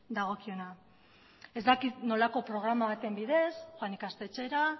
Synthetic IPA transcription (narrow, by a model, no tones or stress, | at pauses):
d̪aɣ̞o̞kio̞na | e̞zd̪akit̪no̞lako̞pɾo̞ɣ̞ɾamaβat̪e̞mbiðe̞sxwanikast̪e̞t͡ʃe̞ɾa